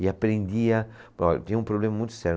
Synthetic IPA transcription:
ɪapɾẽnd̪iɐ | pɔt̪ĩɲɐ̃ũpɾoblẽmɐmũj̃t̪ʊ̥sɛɾ

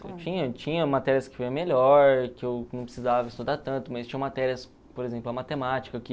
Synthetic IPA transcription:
ḛwt͡ʃĩɲɐt͡ʃĩɲɐmat̪ɛɾiɐskɪ̥fojɐ̃meʎɔɾkɪewnɐ̃pɾɪ̥sizavɐɪst̪ud̪aɾt̪ɐ̃nt̪ʊmɐst͡ʃĩɲɐ̃mat̪ɛɾiɐs | poɾezẽplʊɐmat̪emat͡ʃi̥kɐkɪ

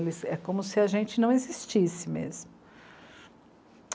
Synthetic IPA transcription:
lɪsɛkõmʊsɪɐʒẽnt͡ʃɪnɐ̃w̃ezist͡ʃisɪmḛzmʊ

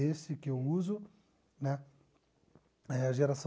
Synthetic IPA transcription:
esɪkɪewuzʊ | nɛ | ɛɐʒeɾasɐ̃

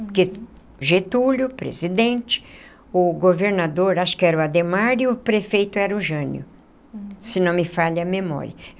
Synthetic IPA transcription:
kɪ | ʒet̪ulʊpɾḛzid̪ẽt͡ʃɪ̥ | ʊɡoveɾnad̪oɾaʃʊ̥kɪɛɾʊad̪emaɾiʊpɾefejt̪ʊɛɾʊʒɐ̃njʊ̰ | sɪnɐ̃w̃mɪfaʎɐmemɔ̰ɾiɐ

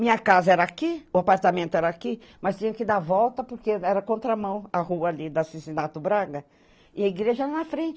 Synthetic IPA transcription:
mĩɲɐkazɐɛɾɐakiʊapaɾt̪amẽnt̪ʊɛɾɐakimɐst͡ʃ̪ĩɲɐkɪd̪aɾvɔwt̪ɐpoɾkeɛɾɐkõnt̪ɾɐmɐ̃w̃ahuɐalid̪ʊasisinat̪ʊbɾaɡɐ | ɪɐiɡɾeʒɐɛɾɐnɐfɾẽt͡ʃɪ

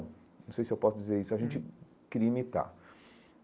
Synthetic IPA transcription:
nɐ̃w̃sejsɪewpɔsʊd͡ʒizeɾisʊɐʒẽnt͡ʃɪ | kɛɾiɐimit̪a̰

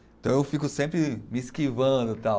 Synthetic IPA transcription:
ẽt̪ɐ̃w̃ewfikʊsẽpɾɪmiskivɐ̃d̪ʊt̪a

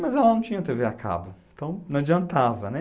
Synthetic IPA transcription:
mɐzɛlɐnɐ̃w̃t͡ʃĩɲ̃ɐt̪eveakʰa̰bʊẽnt̪ɐ̃w̃nɐ̃w̃ad͡ʒiɐ̃nt̪avɐnɛ

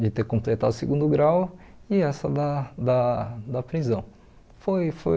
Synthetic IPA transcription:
d͡ʒɪt̪eɾkõmplet̪ad̪ʊseɡũnd̪ʊɡɾawɪɛsɐd̪ɐd̪ɐd̪ɐpɾizɐ̃w̃ | fojfo̰

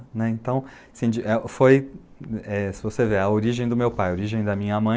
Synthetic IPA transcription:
nɛẽnt̪ɐ̃w̃ | ɐsĩd͡ʒɪʔɛfoj | ɛsɪvoseveɐoɾiʒẽj̃d̪ʊmewpajɐoɾiʒẽj̃d̪ɐmĩɲɐmɐ̃

